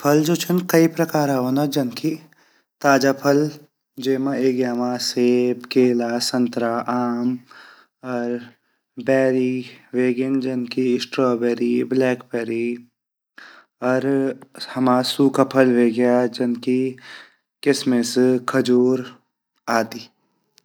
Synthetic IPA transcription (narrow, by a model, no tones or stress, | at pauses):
pʰɐld͡ʒoːt͡ʃʰɐnkɐipɾɐkaːɾaɦoːnad͡ʒɐnki | t̪aːd͡ʒapʰɐl | d͡ʒeːmãeːɡjaɦmaːseːbkeːlaːsɐ̃nt̪ɾaʔaːm | ɔːɾ | bɛːɾiʋeːɡend͡ʒɐnkiɪsʈɾɔːbɛːɾiblɛːkbɛːɾi | ɔːɾhɐmaːsuːkapʰɐlʋeːɡjad͡ʒɐnki | kɪsmẽskʰɐd͡ʒuːɾ | aːt̪iː